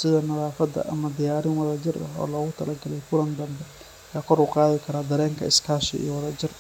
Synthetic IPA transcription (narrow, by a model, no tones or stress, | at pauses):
sɪðɐnɐðaːfɐd̪ɐ̰ʔɐmɐd̪ɪjaːɾɪnwɐðɐd͡ʒɪrɐ̰ɦɔ̰ːlɔːɣʊt̪ʰɐlɐɡɐlɛjkʊlɐnd̪ɐmbɛ | jaːkʰɔɾʊqɑːðɪkʰɐɾaːd̪ɐɾɛːŋkʰɐɪskʰaːʃɪ̰ḭːɔwɑðɐd͡ʒɪr